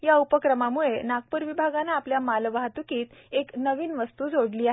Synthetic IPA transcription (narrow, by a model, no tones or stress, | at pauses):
jaupəkɾəmamuɭenak̚pəɾʋibʱaɡanaːpljamalʋaɦat̪ukiːt̪eknəʋiːnʋəst̪uːd͡zʱoɽliːaɦe